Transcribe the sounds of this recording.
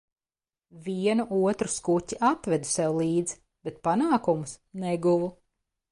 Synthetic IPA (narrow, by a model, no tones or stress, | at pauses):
viɛnuʔuɔt̪ɾuskucʲiʔat̪vɛd̪u̥sɛwlˠiːd̪z̥ | b̥et̪̚panaːkumusnɛɡuvu